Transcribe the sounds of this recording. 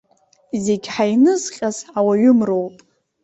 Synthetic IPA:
zeɡʲħajnɨzχʲʼazawaɥʊmrowpʼ

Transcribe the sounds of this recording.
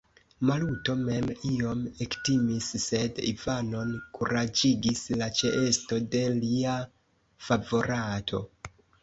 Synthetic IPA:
maluto̞me̞mio̞mektimisːe̞dḭvano̞nkuɾad͡ʒiɡislat͡ʃe̞ʔesto̞de̞lia | favo̞ɾatʰo̞

